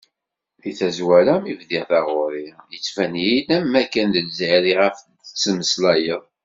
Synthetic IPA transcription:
ðiθæzwæɾæmivðiʁθɑʁoɾijət͡sːfænjilæmːækːænðəlzɾiʁəf | ət͡sːəməslæjəðˤ

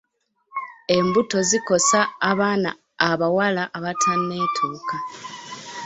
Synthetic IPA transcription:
e̞mbuto̞ziko̞saːβaːna̰ː | βawalaʔaβatʰanːe̞ːtʰuːka

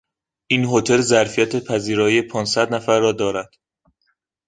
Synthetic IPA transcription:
ʔiːnɦot̪ʰe̞lzæɾfijæt̪ʰe̞pʰæziːɾɒːjepʰɒːnsæd̪næfæɾːɒːd̪ɒːɾæd̪̥

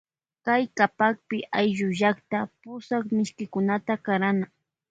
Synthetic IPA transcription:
kajkapak̚pɪʔajʒʊʒakt̪apʊsakmɪʃkɪkʊnat̪akaɾana

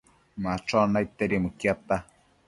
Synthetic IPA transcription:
maʈ͡ʂonajt̪eɾimukjat̪a

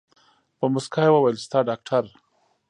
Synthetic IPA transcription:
pəmʊskʰajwawalst̪aɖak̚ʈʰaɾ

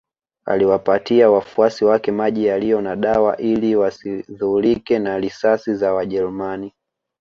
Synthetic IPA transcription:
a̰liwapatiawafuasiwakɛmaʄijalijɔnaɗawa̰ʔiliwasiðulikɛnaɾisasizawaʄɛɾumani

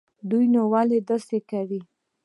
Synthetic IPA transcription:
d̪ujnowaled̪asekawi

